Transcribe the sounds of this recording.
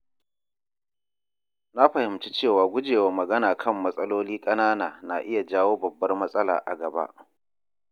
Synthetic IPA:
na˦ɸɐ˨hɪ˨mt͡ʃi˦t͡ʃeː˦˨waː˨ɡʷʊ˦d͡ʒeː˨waː˨mɐ˨ɡɐ˦naː˨kʰɐ˦˨mːɐ˦sʼɐ˦loː˦liː˦kʼɐ˦naː˦naː˨na̰˨ʔɪ˦ja˨d͡ʒaː˦woː˦bɐ˨bːɐ˦rmɐ˦sʼɐ˦la̰ː˨ʔa̰˨ɡɐ˨ba̰˦ʔ

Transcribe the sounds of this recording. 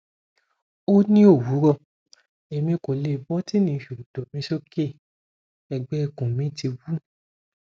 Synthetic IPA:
o˦nĩ˦o˦˨wu˨˦ɾɔ˦˨ | e˨mĩ˧ko˨le˨bɔ˦ti˦nĩ˧˦ʃo˨do˨mĩ˧˦ʃo˦ke˦˨ | ɛ˨ɡ͡bɛ˦˧˨kũ˨mĩ˨˦ti˧wu˦

